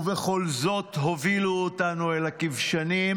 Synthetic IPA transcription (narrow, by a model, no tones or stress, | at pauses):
veχo̞lzo̞tɦoviluotanuelakivʃanim